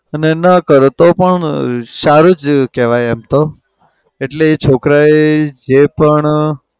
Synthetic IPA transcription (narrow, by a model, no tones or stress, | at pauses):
ənenəkəɾt̪opəɳʃaɾud͡ʒkɛʋajɛmt̪o | eʈleet͡ʃʰokɾaed͡ʒepəɳ